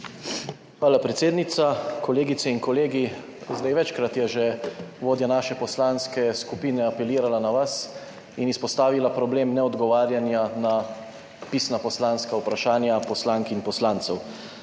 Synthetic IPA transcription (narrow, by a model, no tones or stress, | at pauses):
xʋaːlapɾet̪seːd̪nit̪sakɔleːɡit̪sɛinkɔleːɡi | zd̪ajʋɛt͡ʃkɾat̪jɛʒeʋoːd̪janaːʃɛpɔslaːnskɛskupiːnɛapɛliːɾalanaʋas | inispɔst̪aːʋilapɾɔbleːmnɛɔd̪ɡɔʋaːɾjanjana | piːsnapɔslaːnskaupɾaʃaːnjapɔslaːŋkinpɔslaːnt̪sɛw